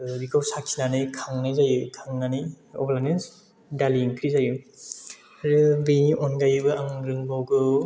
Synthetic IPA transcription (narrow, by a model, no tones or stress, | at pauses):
bikʰawsakʰinanɯjkʰaŋnajzajɯkʰaŋnanɯj | ɔ̰blanens | daliŋkʰɾizajɯ | aɾɯbɯjniʔɔnɡajɯbɯaŋɾɯŋbawɡɯ